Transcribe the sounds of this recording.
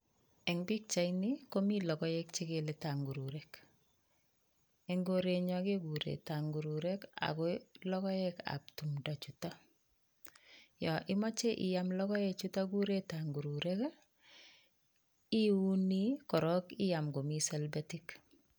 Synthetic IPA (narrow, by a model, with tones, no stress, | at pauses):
ɛŋbi˦k̚t͡ʃa˨jniko˦milɔ˨kɔ˦jɛk̚t͡ʃe˦ɡe˨le˨ta˨ŋɡu˨ɾu˨ɾɛk | ɛ˨ŋɡoɾeɲɔ˨keɡu˨ɾḛ˨ta˨ŋɡu˨ɾuɾɛ˦ka̰˨kɔlɔ˦kɔ˦jɛka̰p̚tu˨mda˨t͡ʃuta | jɔ˨ʔi˦mɔ˦t͡ʃe˦ʔi˨jamlɔ˦kɔ˦jɛt͡ʃutaɡu˦ɾe˦taŋɡu˨ɾuɾɛk | i˦u˦ni˦kɔ˨ɾɔ˦ki˦ja˨mɡo˨mi˦sɛlbatik